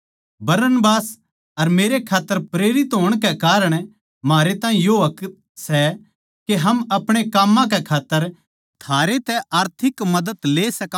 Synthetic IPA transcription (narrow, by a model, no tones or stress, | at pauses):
bɐɾənbaːs | ɐɾmeːɾekʰaːt̪ːəɾpɾeːɾɪt̪ɦoːɽ̃kɛkaːɾəɽ̃ | maːɾet̪ãːĩjoɐk̪ | sɛ | keɦɐmɐpɽ̃ekaːmːãk̬ɛkʰaːt̪ːəɾ | t̪ʰaːɾet̪ɛʔaːɾt̪ʰɪkmɐd̪ət̪leːsɐkː